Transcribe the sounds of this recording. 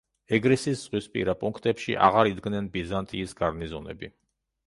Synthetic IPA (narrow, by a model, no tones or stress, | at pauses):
ɛɡɾisisz̥ʁwispʼḭɾapʼuŋkʰt̪ʼɛpʃḭʔa̰ʁaɾid̪ɡnɛnbizant̪ʼiːsɡ̥aɾnizɔnɛ̰bi